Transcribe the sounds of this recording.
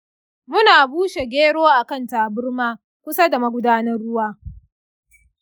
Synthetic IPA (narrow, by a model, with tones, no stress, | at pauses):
mʊ˦naː˨buː˦ʃe˨ɡʲeː˦ɽoː˦ʔa˨kɐ˦˨nta˨ʔa˨bʊ˦rmaː˦ | kʷʊ˦sa˦da˨mɐ˦ɡʷʊ˦daː˦nɐ˦rːʊ˦waː˦